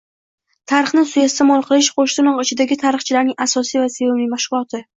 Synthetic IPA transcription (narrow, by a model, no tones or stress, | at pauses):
t̪ʰaɾɨχnɪsʊjest̪amɒlˠqʰɨlˠɪʃqʰoʃt̪ɪnɒqɪt͡ʃʰɪd̪aɡʲɪt̪ʰaɾɨχt͡ʃʰɪlaɾnɪŋasɒsijvasejablijmaʃʁʊlˠɒt̪ʰɪ